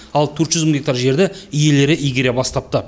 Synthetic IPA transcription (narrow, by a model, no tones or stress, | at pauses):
ɑlˠt̪ʰɵɾt̪ʒʏzməŋɡ̪ʲek̚t̪aɾʒe̞ɾd̪ɪʏje̞le̞ɾɪʔijɡʲeɾe̞bɑst̪ɑp̚t̪ə